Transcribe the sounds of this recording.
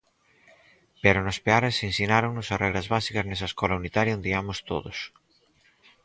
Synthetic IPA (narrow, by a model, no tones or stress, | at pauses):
peɾʊnospeaɾesinsinaɾoŋnʊsarɛɣɾɐzβasikɐznɛsɐeskɔlaunit̪aɾjaond̪iamʊst̪o̰ðʊs